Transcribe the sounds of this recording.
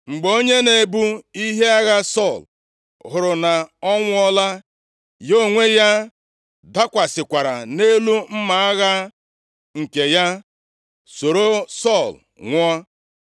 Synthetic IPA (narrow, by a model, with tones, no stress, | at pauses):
ŋ͡m̩˨ɡ͡bo˦ɲe˦ne˨bu˦i˦ɦe˦a˦ɣa˦sɔ˦˨l | ɦʊ˨ɾʊ˨na˨ɔ˦ŋʷʊ˦ɔ˦la˦ | jo˦˨ŋʷe˦ja˦ | da˦kʷa˨sɪ˨kʷa˨ɾa̰˨ne˦lu˦m̩˦ma˨a˦ɣa˦ | ŋ̩˨ke˨ja˦ | so˨ɾo˦sɔ˦˨l | ŋʷ˦ɔ˦